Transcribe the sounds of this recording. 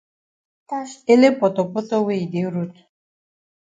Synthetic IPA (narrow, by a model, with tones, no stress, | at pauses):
e˦le˦pɔ˨tɔ˨pɔ˦tɔ˦we˦˨i˨de˨˦ɾu˦t